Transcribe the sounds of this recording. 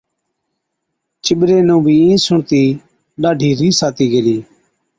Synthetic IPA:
t͡ʃɪɓɾeːnũːbʱiːĩːsʊɳt̪iː | ɗaːɖʱiːɾiːsaːt̪iːɡeliː

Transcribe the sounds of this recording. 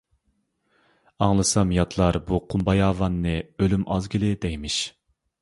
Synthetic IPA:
ɑŋlˠɨsɑmjɑt̪ʰlˠɑɾbuqʰumbɑjɑːvɑnːɨølymʔɑzɡʲilɪd̪ɛjmɪʃ

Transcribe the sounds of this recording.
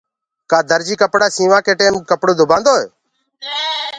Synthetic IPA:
kaːd̪əɾd͡ʒiːkəpɽaːsĩːʋãːkʰeːʈeːmkəpɽoːd̪ʱʊbãːnd̪oːḛː

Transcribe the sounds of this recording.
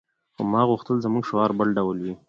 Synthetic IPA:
xomɑɣuxt̪əlzəmuŋɡʃʊɑɾbəlɖawlwi

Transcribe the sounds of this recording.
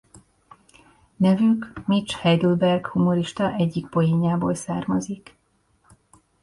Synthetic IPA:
nɛvykmit͡ʃhɛjd̪ulbɛrɡhumoɾiʃt̪ɒʔɛɟːikpojiɲaːboːlsaːrmɒzik

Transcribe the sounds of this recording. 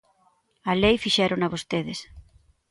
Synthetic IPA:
alejfiʃɛɾonaβost̪eðes

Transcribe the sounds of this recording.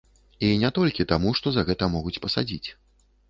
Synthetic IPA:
inʲɛt̪ɔlʲkʲit̪amuʂt̪ɔzɐɣɛt̪ɐmɔɣut͡sʲpɐsad͡zʲit͡sʲ

